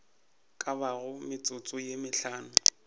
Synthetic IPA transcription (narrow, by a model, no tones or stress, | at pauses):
kʼabaɣʊmɪt͡sʼʊt͡sʼʊjemɪɬaːnʊ